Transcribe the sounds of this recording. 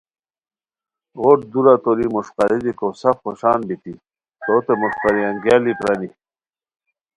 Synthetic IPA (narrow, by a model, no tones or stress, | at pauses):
ʁoʈ̚d̪uɾat̪olimuʂqɑɾid̪ikosɐfχoɕaːnbit̪i | t̪ot̪emuʂqaɾiɐŋɡjaːlipɾɐni